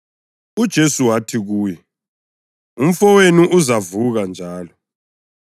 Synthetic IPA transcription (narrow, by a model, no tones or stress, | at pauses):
ud̥ʒ̥ʱesuwatʰiɣuːjɛ | um̩fɔweniʔuzavuɣand͡ʒʱaːlɔ